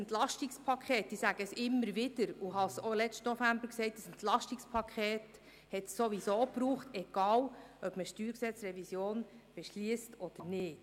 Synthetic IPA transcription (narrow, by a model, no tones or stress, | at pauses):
ɛnt̪lɑʃtikspʰɑkʰχɛːt̚d̥isæɡ̥əsɪmːəɾʋɪd̥̪əɾuɦɑsolɛt͡ʃtnɔfæmbəɾksɛɪt̚dəsɛntlɑʃtikspʰɑkʰχɛːt̪ | hɛt̪ssoʋisoːpɾuːχt̪ɛɡ̥ɑːlʔœb̥məʃtyːɾksɛt͡sɾɛvisjoːnb̥ɛʃliəstɔd̥̪əɾnɪːt